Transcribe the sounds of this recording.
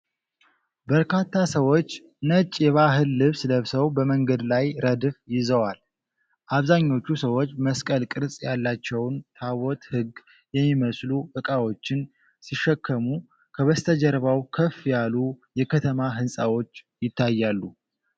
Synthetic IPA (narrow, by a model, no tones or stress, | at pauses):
bəɾkʰat̪ʰːasəwo̞t͡ʃː | nət͡ʃʼːjɛβaɦɨlːɨβsləβsəwbəməŋɡəd̪lajɾəd̪ɨfjɪzəwal | ʔaβzaɲːo̞t͡ʃːusəwo̞t͡ʃːməskʼəlkʼɨɾsʼjalːat͡ʃːɛwnt̪ʰawɔt̪hɨɡ | jɛmːiməsluʔɨkʼawo̞t͡ʃːɪn | siʃːɛkʰːəmu | kʰəβəst̪ʰəd͡ʒɛɾβawkʰəfjalujɛkʰət̪ʰəmaɦɨnsʼawo̞t͡ʃː | jɪt̪ʰːajːalːu